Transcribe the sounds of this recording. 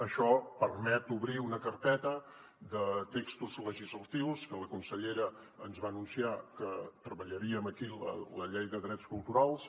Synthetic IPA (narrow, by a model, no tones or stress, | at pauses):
əʃɔpərmɛt̪uβɾiunəkərpɛt̪ə | d̪ət̪ekst̪uzləʒizlət̪iwskələkunsəʎeɾə | ənzβaənunsiakət̪ɾəβəʎəɾiəməkilə̰ləʎejðəðɾɛtskulˠt̪uɾalˠs